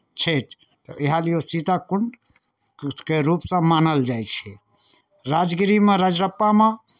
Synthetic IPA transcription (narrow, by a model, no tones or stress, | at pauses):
t͡ʃʰet̪ʰ | t̪ɔ̰ʔeɦaliosit̪akuɳɖ | keɾupsə̃manəld͡ʒajt͡ʃʰɛ | ɾad͡ʒɡiɾimeɾad͡ʒɾəpːame